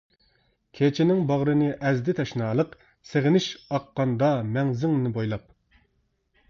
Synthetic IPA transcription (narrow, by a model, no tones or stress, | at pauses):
kʲʰet͡ʃʰɪnɪŋbɑʁɾɨnɨʔɛzd̪ɪt̪ʰɛʃnɑːlˠəq | seʁɪnɪʃɑqːɑnd̪ɑmɛŋzɪŋnnɪbojlˠɑp̚